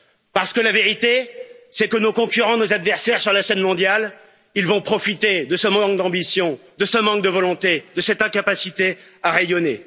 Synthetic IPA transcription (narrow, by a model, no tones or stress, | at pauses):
paʁsə̥kəlaveʁit̪esɛkənokɔ̃kʲyʁɑ̃nozad̪vɛʁsɛʁsyʁlasɛnmɔ̃d̪jal | ilvɔ̃pχɔfit̪ed̪əsəmɑ̃kd̪ɑ̃bisjɔ̃d̪əsəmɑ̃kd̪əvɔlɔ̃t̪ed̪əsɛt̪ɛ̃kapasit̪eaʁejɔne